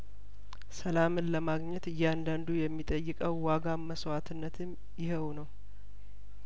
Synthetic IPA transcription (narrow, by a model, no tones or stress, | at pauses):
səlamɨnləmaɡɲɛt̪ɨjːand̪and̪ujɛmːit̪ʼəjːɨkʼəwːaɡaməswat̪ʰɨnːət̪ʰɨm | jɪɦəwnəw